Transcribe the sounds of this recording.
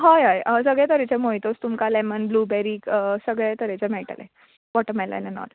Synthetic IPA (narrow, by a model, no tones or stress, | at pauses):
ɦajɦajəsəɡɭɛt̪əɾet͡ɕemoit̪ost̪umkalɛmənbluːbɛɾiːkəsəɡɭɛt̪əɾet͡ɕamɛɭʈa̰lɛ̰ | bɔʈəmɛla̰nɛnɔ̰l